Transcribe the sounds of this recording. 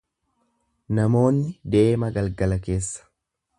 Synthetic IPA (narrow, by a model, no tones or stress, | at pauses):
nɐmo̞ːnːɪd̪e̞ːmɐɡɐlɡɐlɐke̞ːsːɐ̥